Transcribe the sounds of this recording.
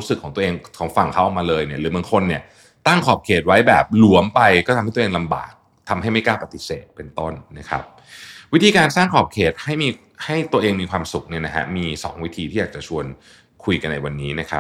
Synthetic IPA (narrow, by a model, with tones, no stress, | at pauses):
ɾu˦˥sɯ˨˩kʰɔː˩˦ŋt̪u˧ʔeː˧ŋkʰɔː˨˩˦ŋfa˨˩ŋkʰa˦˥˩ʔɔː˨˩k̚maː˧lɤː˧jni˥˩ɐɾɯː˨˩˦bɯ˧˩əŋkʰo˧nːi˥˩ɐ | t̪a˥˩ŋkʰɔː˨˩p̚kʰeː˨˩t̪̚wa˦˥jbɛː˨˩p̚lu˨˩˦əmpa˧jkɔː˥˩a˧maː˥˩˧eː˧ŋla˧mba̰ː˨˩k̚ | t̪ʰa˧mɦa˥˩jma˥˩jkaː˥˩pa˧t̪i˨˩seː˨˩t̪̚pe˧nt̪o˥˩nːa˦˥kʰa̰˦˥p̚ | wi˦˥t̪ʰiː˧kaː˧nsaː˥˩ŋkʰɔː˨˩p̚kʰeː˨˩t̪̚ha˥˩jmiː˧ | ha˥˩jt̪u˧əʔeː˧ŋmiː˧kʰwaː˧msu˨˩k̚ni˥˩na˦˥kʰa̰˦˥miː˧sɔ̰ː˩˦ŋwi˦t̪ʰiː˧t̪ʰiː˥˩jaː˨˩t͡ɕa˨˩t͡ɕʰu˧ən | kʰu˧jka˧nːa̰˧jwa˧nːiː˦˥na˦˥kʰa̰˦˥p̚